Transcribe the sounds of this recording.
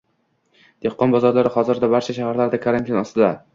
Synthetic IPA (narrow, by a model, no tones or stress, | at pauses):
d̪̥eqːɒnbɒzɒɾlaɾɪχɒzɪɾd̪abaɾt͡ʃʰaʃahaɾlaɾɪd̪akʰaɾant̪ʰinɒst̪ʰɪd̪a